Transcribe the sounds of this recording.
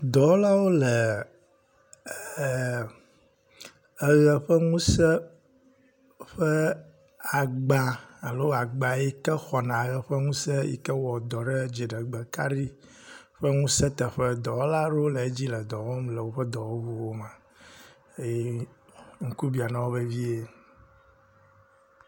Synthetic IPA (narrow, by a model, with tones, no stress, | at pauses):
d̪ɔ˨wo˦la˦wo˦lə˨ | ə˦ɣə˨ɸə˦ŋũ˦sə˦ | ɸə˦ | a˨ɡ͡ba˦a˨lo˦a˨ɡ͡ba˨jɛ˦kə˦xɔ˨nã˨˦ɣə˨ɸə˦ŋũ˦sɛ˦jḭ˦kə˦wɔ˨d̪ɔ˨ɖə˦d͡ʒi˨ɖə˨ɡ͡bə˨ka˦ɾi˦ | ɸə˦ŋũ˦sɛ˦t̪ə˨ɸə˦d̪ɔ˨wla˦ɖo˦lə˨e˦d͡ʑi˦lə˨d̪ɔ˨wɔ˦mlə˨wo˦ɸə˦d̪ɔ˨wo˦vu˦wo˦mã˨ | e˦jɛ˦ | ŋ̩˦ku˦bi˨a˨nã˨wo˦be˦vi˦e˦